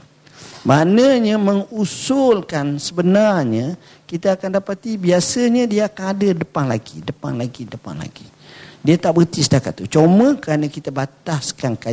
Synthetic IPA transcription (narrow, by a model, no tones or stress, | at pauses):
manəɲaməŋusʊlkansəbənarɲa | kit̪aːkandapat̪ibiasəɲadiaːkanadədəpanlaɡidəpa̰nlaɡidəpa̰nla̰ɡi | diat̪aʔbət̪isə̥t̪akat̪ːut͡ʃomə̃kɾanakit̪abat̪askanka